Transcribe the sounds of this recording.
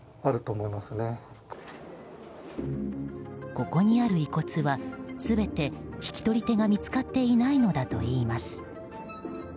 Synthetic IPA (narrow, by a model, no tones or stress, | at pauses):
aɾɯ̟t̪o̞ːmo̞imasɨne̞ | ko̞ko̞ɲ̟iaɾɯ̟iko̞t͡sɨβasɨbe̞t̪e̞çi̥kʲi̥t̪o̞ɾʲit̪e̞ɡamʲit͡sɨ̥kat̪ːe̞inaino̞d̪at̪o̞̰iːmasɨ̥